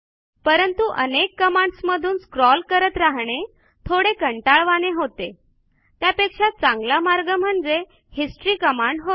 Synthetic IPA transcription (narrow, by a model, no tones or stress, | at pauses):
pəɾənt̪uʔənekːəmaɳɖsməd̪ʱuːnskɾɔlkəɾət̪ɾaɦɳe | t̪ʰoɽekəɳʈaɭʋaneɦot̪e | t̪japekʂat̪̚t͡sãŋɡlamaɾɡəm̤əɳd͡ze | hisʈɾiːkəmaɳɖɦo